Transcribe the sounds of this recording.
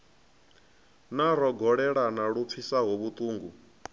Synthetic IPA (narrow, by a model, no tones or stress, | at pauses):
naɾɔɡɔɺɛɺanaɺup̪fʰisaɦoβut̪ʼuːŋɡu